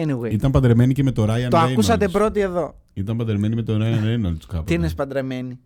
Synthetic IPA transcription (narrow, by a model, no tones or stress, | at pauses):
niwiit̪ɐmpɐnd̪ɾeme̞niceme̞t̪o̞ɾɐjɐnt̪oɐkusɐt̪e̞pɾo̞t̪ie̞ðo̞ | it̪ɐmpɐnd̪ɾeme̞nime̞t̪oɾɐjɐnenɐluskɐpt̪iinespɐnd̪ɾeme̞ni